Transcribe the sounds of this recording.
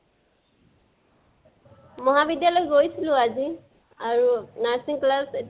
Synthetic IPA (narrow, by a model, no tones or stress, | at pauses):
mɔɦabidjalojɡojsilʊ̃azi | aɹunaɹsiŋklaset